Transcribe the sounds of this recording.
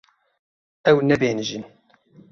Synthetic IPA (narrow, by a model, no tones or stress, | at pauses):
æwnæbænʒən